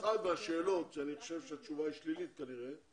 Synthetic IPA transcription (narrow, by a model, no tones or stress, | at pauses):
χad̪veaʃe̞ːlo̞t̪zɛaniχo̥ʃevʃeat͡ʃuvaiʃlilit̪̚kaniʁe